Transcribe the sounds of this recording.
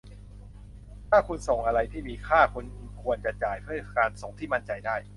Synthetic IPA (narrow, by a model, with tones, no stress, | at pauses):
t̪ʰaː˥˩kʰu˧nso˩˦ŋʔa˧ɾa˧jt̪ʰiː˥˩miː˧kʰaː˥˩kʰu˧nkʰu˧ənt͡ɕa˨˩t͡ɕaː˨˩jpʰɯ˥˩˧kaː˧nso˩˦ŋt̪ʰiː˥˩ma˥˩nt͡ɕa˧jdaː˥˩j